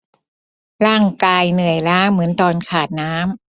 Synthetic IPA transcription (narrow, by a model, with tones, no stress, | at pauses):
ɾaː˥˩ŋkaː˧jnɯ˨˩əjɾaː˦˥ŋmɯ˩˦ənt̪ɔː˨˧˩nkʰaː˨˩t̪̚naː˦˥m